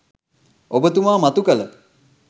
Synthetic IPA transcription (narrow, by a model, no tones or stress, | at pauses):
obət̪umaːmat̪ukələ